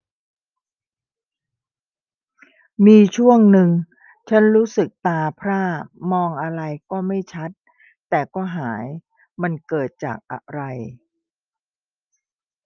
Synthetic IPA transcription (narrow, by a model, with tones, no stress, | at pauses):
miː˧t͡ɕʰu˥˩əŋnɯ˨˧ŋ | t͡ɕʰa˦˥nɾuː˦˥sɯ˨˩k̚t̪aː˧pʰɾaː˥˩mɔː˧ŋʔa˧ɾa˧jkɔː˥˩ma˥˩jt͡ɕʰa˦˥t̪̚ː | ɛː˨˩kɔː˥˩ɦaː˩˦j | ma˧nkɤː˨˩t̪̚t͡ɕa̰ː˨˩k̚ʔa̰˨˩ɾa˧j